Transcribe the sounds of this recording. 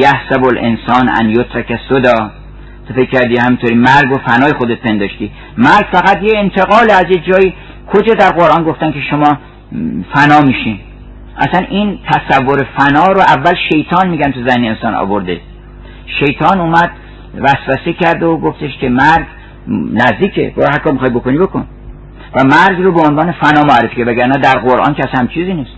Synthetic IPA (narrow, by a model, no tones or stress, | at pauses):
jæhsæbolʔḛnsɒːnæ̰njot̪ɾækæsod̪ɒː | t̪ʰofe̞kʰʲːæɾd̪ihæmint̪ʰoːɾiːmæɾɡofænɒːjexod̪et̪̚pʰe̞nd̪ɒːʃt̪i | mæɾɡfæɣæt̪jeːnt̪ʰe̞ɣɒːleæzjed͡ʒɒːiː | kʰod͡ʒɒːd̪æɾɣoɾʔɒːnɡoft̪ænkʲʰe̞ʃomɒː | fænɒːmiːʃin | ʔæ̰sænʔint̪ʰæsævːoɾefænɒːɾoʔævːælʃe̞jt̪ʰɒːnmiːɟænt̪ʰuzæhneːnsɒ̰ːnɒ̰ːboɾd̪ḛ | ʃe̞jt̪ʰɒːnuːmæd̪̥ | væsbæsekʰæɾd̪eoɡoft̪eʃkʰʲemæɾz | næzd̪iːkʰḛbɒ̰ːɾhæɾkʰɒːmixɒjbo̞koniboko̰n | væmæɾzrobeonvɒːne̞fænɒːmoæɾefikʰæɾd̪væɡæɾnæːd̪æɾɡoɾʔɒ̰ːnkʰʲæshæmt͡ʃʰiːziːniːst̪